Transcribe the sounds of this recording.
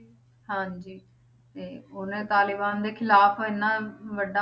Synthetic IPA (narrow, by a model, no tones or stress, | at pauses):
ɦãːɲd͡ʒiː | t̪eːʊnẽːt̪aːlɪbaːnd̪eːkʰɪlaːpʰoːɪnːãːʋəɖã